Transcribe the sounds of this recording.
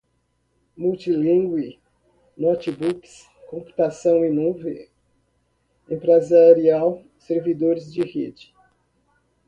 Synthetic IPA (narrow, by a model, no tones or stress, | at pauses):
muwt͡ʃilĩŋɡwi | nɔt͡ʃibuks | kõpu̥t̪asɐ̃w̃inuve | ẽpɾezaɾiaw | seɾvid̪oɾɪzd͡ʒɪhed͡ʒɪ̥